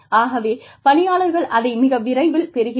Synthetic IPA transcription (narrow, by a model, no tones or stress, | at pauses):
aːɣɐʋeː | pɐɳɪjaːɭɐɾɣɐɭʔɐðɐɪmɪɣɐʋɪɾɐɪʋɪlpɛɾɯɣɪ